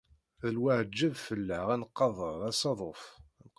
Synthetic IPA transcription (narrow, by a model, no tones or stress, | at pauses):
ðəlwaʕəd͡ʒːəvfəlːəʁænqːɑðˤəɾˤæsɑðˤofnq